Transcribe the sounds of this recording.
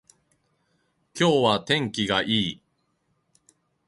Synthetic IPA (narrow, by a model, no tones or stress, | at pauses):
kʲo̞ːβat̪ẽ̞ŋkʲiɡaʔiː